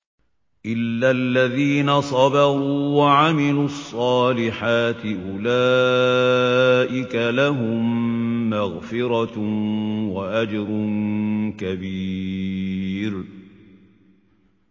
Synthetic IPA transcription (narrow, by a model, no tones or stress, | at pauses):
ʔɪlːalːaðiːnasˤɑbɑɣuuwaʕamɪluɑsˤːɑːlɪħaːt̪ɪʔʊlaː | ʔɪkalaɦʊmːaɣfɪɾɑ | waʔad͡ʒɾʊ | kabi | ɾ